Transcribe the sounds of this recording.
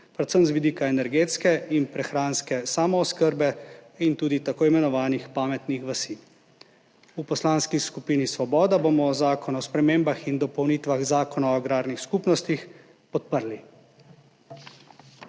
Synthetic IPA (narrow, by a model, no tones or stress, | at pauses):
pɾɛt̪səmzʋid̪iːkaɛnɛɾɡeːt̪skɛinpɾɛxɾaːnskɛsaːmɔːskəɾbɛint̪uːd̪it̪akoːimɛnɔʋaːnixpaːmɛt̪nixʋasi | upɔslanskiskupiːnisʋɔbɔːd̪abomɔzaːkɔnɔspɾɛmeːmbaxind̪ɔpɔwniːt̪ʋaɣzaːkɔnaɔɡɾaːɾnixskupnɔst̪ix | pɔt̪̚pəɾli